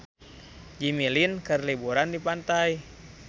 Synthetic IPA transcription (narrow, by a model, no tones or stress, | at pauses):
d͡ʒimilinkɨrlibuɾandipant̪aj